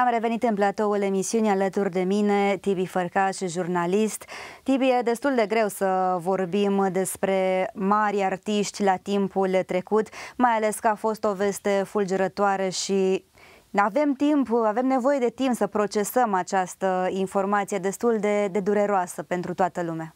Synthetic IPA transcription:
amre̞ve̞nit̪ɨnplat̪o̞ule̞misiunʲalət̪urʲd̪e̞minet̪ibifərkaʃʒurnalist̪t̪ibije̞d̪e̞st̪uld̪e̞ɡɾe̞wsəvo̞rbimd̪e̞spɾe̞maɾiart̪iʃt̪ʲlat̪impult̪ɾe̞kut̪majale̞skəafo̞st̪o̞ve̞st̪e̞fuld͡ʒeɾət̪oaɾeʃi | ave̞mt̪impave̞mne̞vo̞je̞d̪e̞t̪impsəpɾo̞t͡ʃe̞səmat͡ʃast̪əinfo̞rmat̪sije̞d̪e̞st̪uld̪e̞d̪e̞d̪uɾe̞ɾoasəpe̞nt̪ɾut̪oat̪əlumea

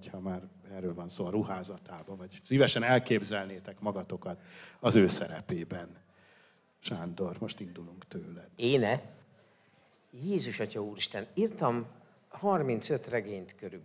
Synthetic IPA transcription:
hochɒmaːɾ | ɛrøːlvɒnsoːɒɾuhaːzɒt̪aːbɒvɒɟsivɛʃɛnɛlkeːbzɛlneːt̪ɛkmɒɡɒt̪o̞kɒt̪ɒzøːsɛɾɛ̰peːbɛn | ʃaːnd̪o̞rmo̞ʃt̪ind̪uluŋkt̪øːlɛd̪eːnɛ | jeːzuʃɒcɒuːɾiʃt̪ɛnirt̪ɒm | hɒrmint̪sø̞t̪rɛɡeːɲt̪køɾyb

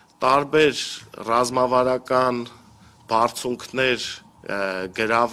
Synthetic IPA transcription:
t̪ɑɾbɛɾrɑzmɑvɑɾɑkɑn | b̥ɑrt͡sʰuŋkʰnɛɾ | ɡəɾɑv

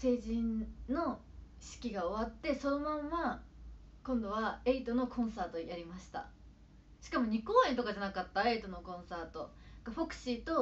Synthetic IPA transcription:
se̞ːʑĩnno̞ | ɕi̥kʲiɡao̞β̞at̪ːe̞so̞no̞mãmːa | kõnd̪o̞βae̞it̪o̞no̞kʰõ̞ɰ̃saːt̪o̞jaɾʲimaɕi̥t̪a̰ | ɕi̥kamo̞ɲ̟ikoːent̪o̞kaʑanakat̪ːae̞it̪o̞no̞kõ̞ɰ̃saːt̪o̞ | ɡaɸo̞kɯ̟̥ɕit̪o̞

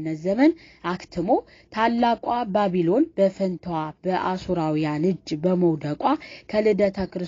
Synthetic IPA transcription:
nːəzəmən | akt̪ʰɨmo̞ | t̪ʰalːakʼʷabaβilo̞nbəfənt̪ʰwabəʔasuɾawijanɨd͡ʒːbəməwd̪əkʼakʰəlɨd̪ət̪ʰəkɨɾɨ

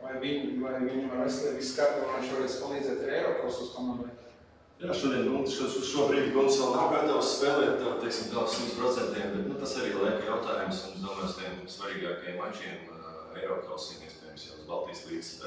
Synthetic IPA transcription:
ajʋiɲajʋiɲʋaʋɛslɛʋiskaːɾt̪ɔmajʃuɔʋɛt͡s̪spalˠiːd͡z̪ɛt̪ɾɛjɾɔːkɔʊsust̪ɔmɔlɛkʲː | jaːʃuɔd̪iɛnmuʃuusʃuɔbɾiːd̪ʲkumsjɛlˠnapɛːt̪assːpɛːlɛːt̪̚ʲt̪at̪ːɛksimd̪aʊk̪simspɾɔt̪sɛnt̪iɛmbɛt̪nut̪asaɾiːlˠajkjaʊt̪aːjumsmumszd̪uɔmajst̪ʲiɛmsʋaɾiːɡaːkjɛmaʒiɛm | ɛjɾɔːkɔʊsimiɛspɛːjɛmsjauzba̰lˠt̪iːslˠiːd̪s

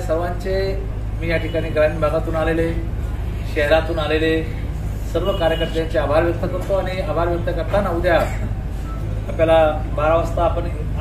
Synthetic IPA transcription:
səʋaɲt͡ɕe | mijaʈʰikaɽ̃iːɡɾãinbʱaɡ̪at̪uːnalele | ɕɛɦɾat̪uːnalele | səɾʋəkaɾjəkəɾt̪jaɲt͡ɕeabʱaɾʋjək̚t̪ʰəkəɾt̪oaɽ̃iabʱaɾʋjək̚t̪əkəɾt̪anəʋud̪jat | apljala | baɾaʋast̪aːpəɳ

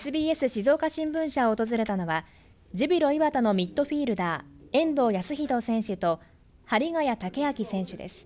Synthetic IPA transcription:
esɨbʲiːe̞sɨɕizo̞ːkaɕĩmbɯ̟̃ɕaoːt̪o̞zɨɾe̞t̪ano̞βa | d͡ʑibʲiɾo̞iβat̪ono̞mʲit̪ːo̞ɸʲiːɾɯ̟d̪aːẽ̞nd̪o̞ːjasɨçid̪o̞ːsẽ̞ɰ̃ɕɨt̪o̞ | haɾʲiɡajat̪ake̞akʲisẽ̞ɰ̃ɕɨd̪ḛsɨ̥

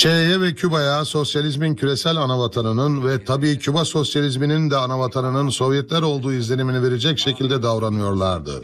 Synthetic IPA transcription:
t͡ʃʰeejɛvɛcʰybajaso̞sjalʲizmincʰyɾe̞sælʲanavat̪ʰanɯnɯnvɛt̪ʰabiːcʰybaso̞sjalʲizminind̪ɛanavat̪ʰanɯnɯnso̞vjɛt̪lʲæɾo̞lˠd̪uːizlʲe̞niminive̞ɾed͡ʒɛcʃe̞cʰilʲd̪ɛd̪avɾanɯjo̞ɾlˠaɾd̪ɯ̰

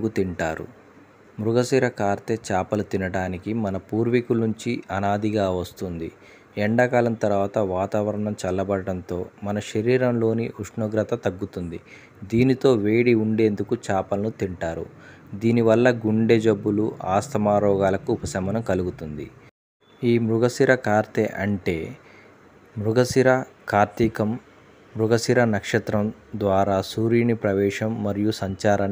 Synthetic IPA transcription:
kut̪iɳʈaːɾṵ | mɾuɡɐsiːɾɐkaːɾt̪et͡ʃaːpɐlut̪inɐɽaːnikimɐnɐpuːɾʋikulːuɲt͡ʃiɐnaːd̪iɡaːʋɐst̪und̪ḭ | ɛɳɖɐkaːlɐnt̪ɐɾʋaːt̪ɐʋaːt̪aːʋɐɾɐɳɐmt͡ʃɐlːɐbɐɽɐɽɐnt̪o̞ːmɐnɐʃɐɾiːɾɐmlo̞ːniʔuʂɳoːɡɾɐt̪ɐt̪ɐɡːut̪und̪i | d̪iːnit̪o̞ːʋe̞ːɽiuɳɖe̞ːnd̪ukut͡ʃaːpɐlɐnut̪iɳʈaːɾṵ | d̪iːniʋɐlːɐɡuɳɖed͡ʒɐbːuluʔaːst̪ʰɐmaːɾɔːɡaːlɐkuːpɐsɐmɐnɐmkɐluɡut̪und̪ḭ | iːmɾuɡɐsiɾɐkaːɾt̪eʔɐɳʈe̞ː | mɾuɡɐsiɾɐkaːɾt̪ikɐm | mɾuɡɐsiɾɐnɐkʂɐt̪ɾɐmd̪ʋaːɾaːsuːɾinipɾɐʋɛːʂɐmːɐɾijusɐɲt͡ʃaːɾɐn

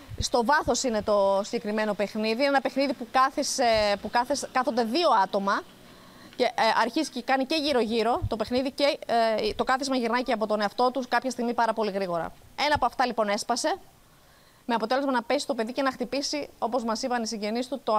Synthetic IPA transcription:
st̪o̞vɐθo̞sine̞t̪o̞siɲɟe̞kɾime̞no̞pe̞xniðiinenɐpe̞xniðipukɐθisepukɐθeskɐθo̞nd̪e̞ðio̞ɐt̪o̞mɐ | ce̞ʔɐɾçizi̥cekɐnice̞ʝiɾo̞ʝiɾo̞t̪o̞pe̞xniðicet̪o̞kɐθizmɐʝiɾnɐceɐpo̞t̪o̞neɐft̪o̞t̪uskɐpçɐst̪iɣmipɐɾɐpo̞liɣɾiɣo̞ɾɐ̰e̞nɐpuɐft̪ɐlipo̞ne̞spɐse̞ | meɐpo̞t̪e̞le̞zmɐnɐpe̞sist̪o̞pe̞ðice̞nɐxt̪ipisio̞po̞zmɐsipɐnisiɲɟe̞nist̪ut̪o

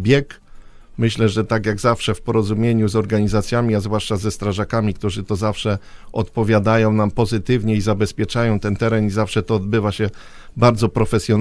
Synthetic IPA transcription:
bʲjɛk | mɘɕlɛʐɛt̪akjaɡzafʂɛfpɔɾɔzumʲjeɲuzɔɾɡaɲizat̪sʲjamʲiazvwaʂt͡ʂazɛst̪ɾaʐakamʲikt̪uʐɘt̪ɔzafʂɛɔt̪pɔvʲjad̪ajɔ̃w̃nampɔzɘt̪ɘvɲɛizabɛspʲjɛt͡ʂajɔ̃w̃t̪ɛnt̪ɛɾɛnizafʂɛt̪ɔːd̪bɘvaɕɛ | baɾd̪zɔpɾɔfɛsʲjɔn

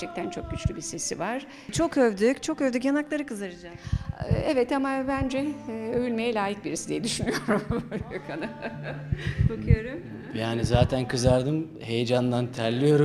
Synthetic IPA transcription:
t͡ʃʰɛc̚t̪ʰænt͡ʃʰo̞k̚ɟyt͡ʃlʲybise̞sivaɾ̥ | t͡ʃʰo̞køvd̪yt͡ʃʰo̞køvd̪yjanaklˠaɾɯkɯzaɾɯd͡ʒa | ɛvɛt̪amabænd͡ʒɛøjylʲme̞jɛlʲaːjik̚biɾisid̪ijɛd̪yʃynyjoɾumkʰana | bokʰɯjo̞ɾum | jaːnizaːt̪ʰænkʰɯzaɾd̪ɯm | he̞jed͡ʒand̪ant̪ʰæɾlʲijo̞ɾu

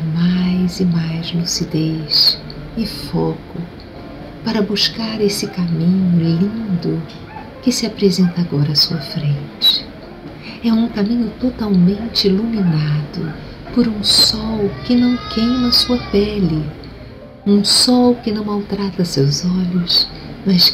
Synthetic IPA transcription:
majzɪmajzlusid̪eʃ | ɪfokʊ | paɾɐbuskaɾesɪkamĩɲʊlĩnd̪ʊ | kɪsɪapɾezẽnt̪ɐaɡɔɾɐːsuɐfɾẽnt͡ʃɪ̥ | ɛũkamĩɲʊt̪ot̪awmẽnt͡ʃɪiluminad̪̥ʊ | poɾũsɔwkɪnɐ̃w̃kʰẽjnɐsuɐpɛlɪ | ũsɔwkɪnɐ̃w̃mawt̪ɾat̪ɐsewzɔʎʊs | mɐs

